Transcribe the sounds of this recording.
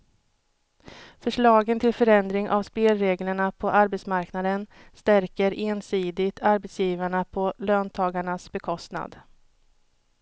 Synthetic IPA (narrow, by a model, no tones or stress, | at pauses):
fœʂɭɑːɡənt̪ʰɪlfœɾɛnd̪ɾɪŋʔa̰vspeːlɾeːɡləɳapʰɔʔaɾbɛt̪smaɾknad̪ən | st̪æɾkəɾʔeːnsiːd̪ɪɡt̪ʰaɾbɛt̪sjiːvaɳapʰɔløːnt̪ʰɑːɡaɳasbɛkʰɔst̪na̰d̪